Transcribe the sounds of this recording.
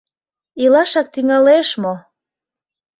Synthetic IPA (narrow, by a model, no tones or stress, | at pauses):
ilɑʃɑk̚t̪yŋɑleʃmo